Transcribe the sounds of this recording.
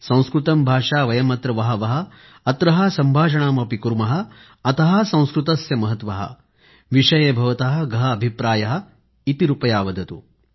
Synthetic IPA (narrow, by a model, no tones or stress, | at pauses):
sɐ̃w̃skɾut̪ɐmbʱaːʂaːʋɐjɐmɐt̪ɾɐʋɐɦɐ̆ʋɐɦɐ̆ː | t̪ɾɐɦɐsɐmbʱaːʃ̬ɐɳaːmɐpikuɾmɐɦɐ̆ː | t̪ɐɦɐ̆sɐ̃w̃skɾut̪ɐsjɐmɐɦɐt̪ʋɐɦɐ̰ | ʋiʂɐjeːbʱɐʋɐt̪ɐɦɐ̆ɡɐɦɐːbʱipɾaːjɐɦɐ̆ | it̪iɾupɐjaːʋɐd̪ɐt̪u